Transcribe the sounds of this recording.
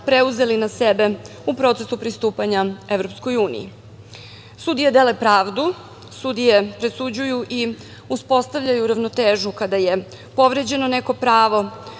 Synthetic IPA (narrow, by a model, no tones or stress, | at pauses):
pɾe̞uze̞linasebe̞ | upɾo̞t̪sesupɾist̪uːpaɲae̞vɾopsko̞juːnḭjḭ | sud̪ijed̪e̞le̞pɾaːʋd̪u | sud̪ijepɾesud͡ʑujuʔi | uspo̞st̪aʋʎajuɾaʋnot̪eːʒukad̪aje̞ | po̞ʋɾed͡ʑe̞none̞ko̞pɾaːʋo̞